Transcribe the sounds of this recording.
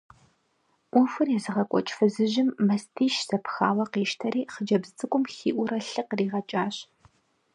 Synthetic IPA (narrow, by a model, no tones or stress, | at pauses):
ʔʷʊfɨrjɛzɨʁɐkʷʼɔ̰t͡ʃʼfɨzɨʑɪmːɐstʰiːʃz̥ɐpxa̰ːwɐqiːʃtʰɐɾiːχəd͡ʒɐbzɨt͡sʼɨkʷʼʊmxiːʔʷʊɾɐɬɨqriːʁɐt͡ʃʼaːɕ